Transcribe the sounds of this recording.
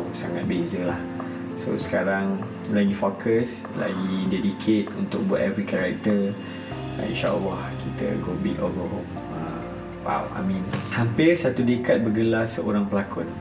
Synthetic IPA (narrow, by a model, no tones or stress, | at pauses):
sa̰ŋat̪̚bezəlah | so̰sə̥kaɾaŋ | laɡifokʰəs | la̰ɡiidedikʰet̪̚unt̪ʊk̚bua̰ʔ̪ɛvɾikaɾak̚t̪ə̰ | ḭ̃nʃaʔa̰lːahkit̪ə̰ɡobitɔlɡoɦom | ə | wa̰wa̰mĩnhampɪrsat̪udekat̪̚bəɡəlasəʔoɾaŋpəlakʊn